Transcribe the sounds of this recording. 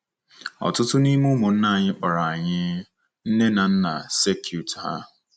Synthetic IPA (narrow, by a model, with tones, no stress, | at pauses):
ɔ̰˨tʊ˦tʊ˦ni˦mu˦mʊ˨n̩˦na˨ɲɪ˦k͡pa˨ɾa˨a˨ɲɪ˦ | n̩˦ne˦na˨n̩˦na̰˨se˦kʰju˨tha̰˦